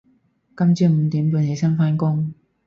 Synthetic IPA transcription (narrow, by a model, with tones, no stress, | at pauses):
kɐ˥mt͡syː˧m̩˨˧t̪iː˨˥mpuː˨˧nhe˨˧˥jsɐ˥nfaː˥nkʊ˥ŋ